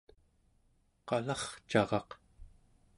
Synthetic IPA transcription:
qɑlɑχt͡ʃɑʁɑq

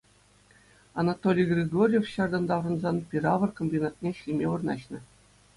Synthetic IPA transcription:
ɑnɑt̪olʲijɡrʲeɡorʲjefɕɑrd̪ɑnd̪ɑʋrɤ̆nzɑnpʲiɾɑʋɤ̆rkomʲbʲinɑt̪̚nʲeɕlʲimʲeʋɤ̆rnɑ̰ɕnɤ̆

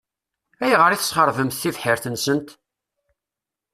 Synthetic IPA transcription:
æjʁəɾiθə̥sχəɾˤvəmθθivħəɾθənsənt̪

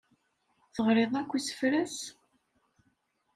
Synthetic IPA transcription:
θəʁɾeðˤækʷːisə̥fɾæs

